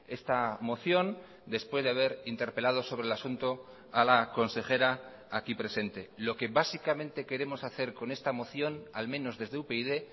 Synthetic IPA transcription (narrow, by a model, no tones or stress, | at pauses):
e̞st̪amo̞θjo̞n | d̪e̞spwe̞zðeaβe̞ɾint̪e̞ɾpe̞lað̞o̞so̞β̞ɾelasunt̪o | alako̞nse̞xe̞ɾa | akipɾe̞se̞nt̪e̞lo̞ke̞βasikamẽ̞nt̪e̞ke̞ɾe̞mo̞saθe̞ɾko̞ne̞st̪amo̞θjo̞nalmẽ̞no̞zðe̞zðe̞upeiðe̞